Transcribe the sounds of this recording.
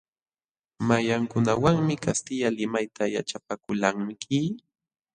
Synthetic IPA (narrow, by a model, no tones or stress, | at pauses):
majaŋkʊnawaŋmɪkast̪ɪʎalɪmajt̪ʰaja̰t͡ʃapakʊlaŋmkɪ